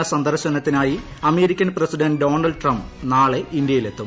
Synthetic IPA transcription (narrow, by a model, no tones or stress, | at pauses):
ɐsɐnd̪ɐrɾɕɐnɐt̪ːinaːji | ɐme̞ːɾikʲːɐnpresiɖɐnɖɖo̞ːnɐlɖʈrɐmbnaːɭeind̪jɐjile̞t̪ːum